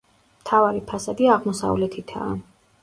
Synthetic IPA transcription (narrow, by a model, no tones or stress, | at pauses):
mt̪ʰavaɾipʰasad̪iaʁmɔsa̰vlɛt̪ʰit̪ʰa̰ː